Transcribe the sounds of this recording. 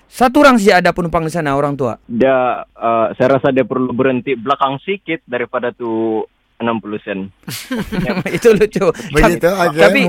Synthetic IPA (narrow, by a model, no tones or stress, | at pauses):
sat̪uɾaŋs̬id͡ʒaːdapənumpaŋdisanaoɾaŋt̪ua̰diaəsajaɾasadiapərlubəɾənt̪iblakaŋsikɪt̪̚daɾipadat̪u | ənampulusɛn | it̪ulot͡ʃuɡait̪uad͡ʒt̪api